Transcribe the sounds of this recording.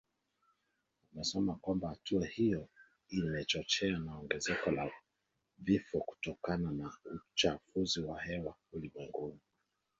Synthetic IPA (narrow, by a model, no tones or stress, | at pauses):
umɛsɛmakwambahatʰuahijɔ | imɛt͡ʃɔt͡ʃɛanaɔŋɡɛzɛkɔla | vifɔku̥tɔkananaut͡ʃafuziwahɛwaulimwɛŋɡuni